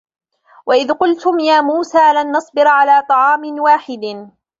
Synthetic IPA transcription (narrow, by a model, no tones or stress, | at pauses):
waʔɪðqʊlt̪ʊmjaːmuːsaːlanːɑsˤbɪɾʕalaːt̪ˤɑʕɑːmɪnwaːħɪd̪